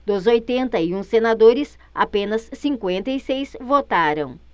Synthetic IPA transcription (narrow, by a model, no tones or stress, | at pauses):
d̪ʊzojt̪ẽnt̪ɐiũsenad̪oɾɪs | a̰pẽnɐsːĩŋkwẽnt̪ɐisejsvot̪aɾɐ̰̃w̃